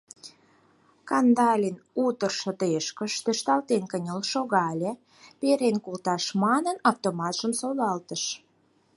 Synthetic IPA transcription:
kɑnd̪ɑlʲinut̪ərʃŏt̪eʃkə̆ʃt̪øʃt̪ɑlt̪enkənʲəlʃoɣɑlʲe | peɾenkult̪ɑʃmɑnənɑft̪omɑt̪ʒ̥əmsolɑlt̪əʃ

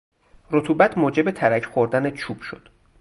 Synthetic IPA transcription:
rot̪ʰuːbæt̪ʰmoːd͡ʒe̞be̞t̪ʰæɾæcʰχoɾd̪ænet͡ʃʰub̥ʃo̞̰d̪̥

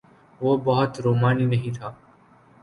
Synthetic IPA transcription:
ʋoːbəɦʊt̪ɾoːmaːniːnəɦĩːt̪ʰaː

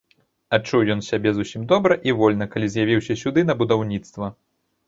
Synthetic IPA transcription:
at͡ʂːuwjɔnsʲabʲɛzusʲimd̪ɔbɾɐʔivɔlʲnɐkalʲizʲjavʲiwsʲɐsʲud̪ɨnɐbud̪awnʲit̪st̪vɐ

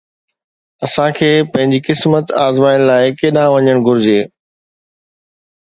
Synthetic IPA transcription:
ɐsãkʰeːpɐ̃ɦɪ̃ɲd͡ʑikɪsmət̪aːzmaːɪñlaːɪkeːɗãʋɐɲəɽ̃ɡʱʊɾɪd͡ʑeː

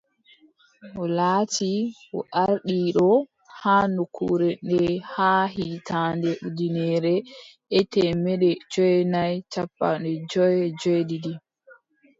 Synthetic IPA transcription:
ʔɔlaːti | ɔ̰ʔaɾɗiɗɔ | haːnukʰṵɾɛnɛhaɦitandɛudinɛɾɛʔɛtɛmɛɗɛd͡ʒɔjnajt͡ʃapːa̰nɛd͡ʒɔjɛd͡ʒɔjdidi

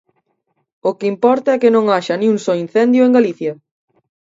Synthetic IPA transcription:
okeimpɔɾt̪aɛkɪnõŋaʃɐnĩuŋsɔin̟θɛnd̪jʊeŋɡaliθjɐ

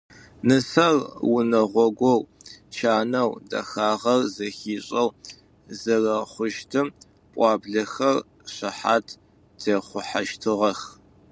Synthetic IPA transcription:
nɨsɐrwʊnɐʁʷɔɡʷɔwt͡ʃʰaːnɐwdɐ̰xaːʁɐrzɐxiːɕʼɐw | zɐrɐχʷʊʃtʰɨm | pʼɑːbɮɐxɐr | ɕɐħaːtʰ | t͡sʰeːχʷʊħaʃtʰɨʁɐx

